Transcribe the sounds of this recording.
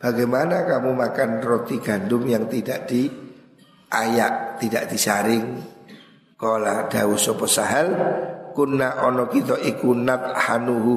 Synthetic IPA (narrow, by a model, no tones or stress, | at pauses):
b̥a̤ɡajmanakamumakanrot̪iɡ̥a̤ndʊmjaŋt̪idaʔd̪̥i | ʔajaʔt̪id̥aʔd̥i̤saɾɪŋ | kɔlad̥awusɔpɔsaɦalkunːaʔɔnɔkit̪ɔʔikunat̪̚hanuɦu